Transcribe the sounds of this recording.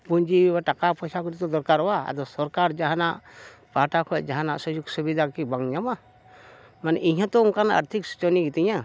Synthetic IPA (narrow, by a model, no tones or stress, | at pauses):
puɲd͡ʒiwaʈakapɔsakuɾit̪ɔd̪ɔɾkaɾɔwaa̰d̪ɔsɔɾkaɾd͡ʒaɦanaʔpaʈakʰɔd͡ʒaɦana̰ʔsɔjuɡsubid̪ʱakibaŋɲama | manɛʔiɦãt̪ɔunkanaə̰ɾt̪ʰiksu̥t͡ʃɔniɡit̪iɲã